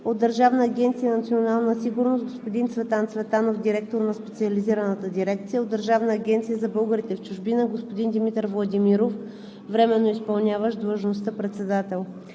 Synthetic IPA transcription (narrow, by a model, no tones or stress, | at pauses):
od̪əɾʒavnəːɡʲɛnt̪sijənɐt̪sionalˠnəsiɡʊɾnost̪ɡospod̪int̪svɛt̪ant̪svɛt̪anofd̪iɾɛk̚t̪oɾnɐspɛt̪siəliziɾənət̪əd̪iɾɛkt̪sijəod̪ːəɾʒavnəːɡʲɛnt̪sijəzɐbɤlˠɡəɾit̪ɛft͡ʃʊʒbinəɡospod̪ind̪imit̪əɾvlˠɐd̪imiɾof | vɾɛmɛnːoispɐlˠnʲavəʃd̪lˠəʒnost̪əpɾɛt̪sɛd̪at̪ɛlˠ